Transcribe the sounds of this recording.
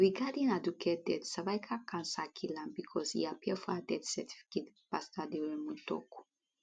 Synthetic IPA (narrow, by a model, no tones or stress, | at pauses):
ɹiɡadĩnadukʰɛdɛtsavajkʰakʰãnsakʰilãnbikʰɔsḭapiəfɔadɛtsɛtʰi̥fi̥ket | pastadewɛmũtɔ̰ku̥